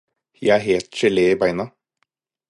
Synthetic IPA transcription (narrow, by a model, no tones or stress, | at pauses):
jæɪæːɦeːlt̪ʃɛlɪibæɪnɑ